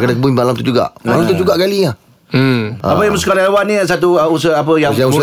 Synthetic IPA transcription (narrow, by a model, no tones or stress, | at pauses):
kadakəbuinmalamt̪ud͡ʒuɡa̰ʔmalamt̪ud͡ʒuɡaʔɡalia | a̰apəjamskaɾaawanisat̪uəusəap̬əjaaŋu